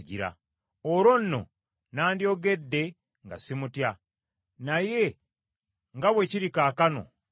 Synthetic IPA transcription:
ɟḭɾa̰ | oɾo̞nːo̞̰ | naːndjo̞ːɡe̞dːe̞ | ŋɡasimutja | naje̞ | ŋɡaβwe̞ciɾikaːkano̞̰

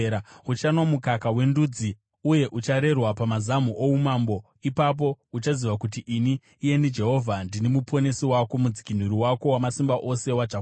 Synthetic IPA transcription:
ut͡ʃanomukakawe̞ndud͡zi | uje̞ʔut͡ʃaɾe̞rwapamazamuʔoumambo̞ | ipap̬o̞ut͡ʃaziʋakutiʔiniː | je̞nid͡ʒe̞ɦo̞vʱandinimupʰo̞ne̞siwako̞mud͡zi̥kin̤uɾiwakowamasimbaʔo̞se̞wad͡ʒaɦo

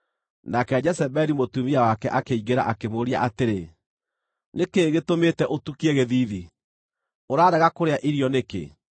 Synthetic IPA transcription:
nakɛd͡ʒɛsɛbɛɾimotumiawakɛʔakeiɣeɾa̰ʔakemoɾia̰ʔateɾe | nekeɣetometɛʔotukiɛɣeðiði | oɾaːɾɛɣakoɾeaʔiɾiɔnekḛ

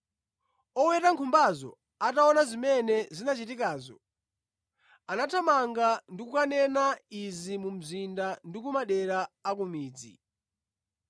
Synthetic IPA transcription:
ɔwɛtaŋkʰumbazɔ̰ | ataɔnazimɛnɛzinat͡ʃitikaːzɔ̰ | anatʰamaŋɡandikukanɛnaizimum̩zindandikumaɗɛɾaːk̬umiːd͡zḭ

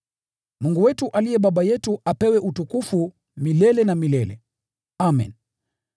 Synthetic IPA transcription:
muŋɡuwɛtuʔalijɛɓaɓajɛtuʔapɛwɛʔutukufu | milɛlɛnamilɛlɛ̰ | amḭn

